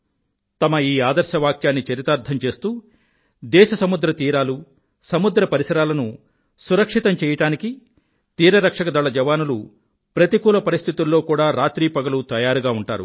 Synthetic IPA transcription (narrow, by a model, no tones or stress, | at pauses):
t̪ɐmɐiːaːd̪ɐɾʃɐʋaːkjaːnːit͡ʃɐɾit̪aːɾt̪ʰɐmt͡ʃe̞ːst̪uː | d̪ɛːʃɐsɐmud̪ɾɐt̪iːɾaːlu | sɐmud̪ɾɐpɐɾisɐɾaːlɐnu | suɾɐkʂit̪ɐmt͡ʃɛːjɐʈaːniki | t̪iːɾɐɾɐkʂɐkɐd̪ɐɭːɐd͡ʒɐʋaːnulu | pɾɐt̪ikuːlɐpɐɾist̪ʰit̪ulːo̞ːkuːɽaːɾaːt̪ɾiːpɐɡɐlut̪ɐjaːɾuɡaːuɳʈaːɾṵ